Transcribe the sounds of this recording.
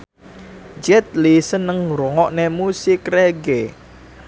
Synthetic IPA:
d͡ʒɛt̪̚lisənːəŋɾoŋɔʔnemusɪkreɡe

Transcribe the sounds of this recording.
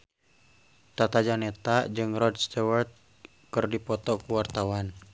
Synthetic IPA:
t̪at̪ad͡ʒanɛt̪ad͡ʒɨŋrɔdst̪ɛwərt̪̚ | kɨrdipɔt̪ɔkuwart̪awan

